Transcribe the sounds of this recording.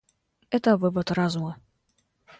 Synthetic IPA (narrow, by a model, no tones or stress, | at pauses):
ɛt̪əvɨvɐt̪ɾazʊmɐ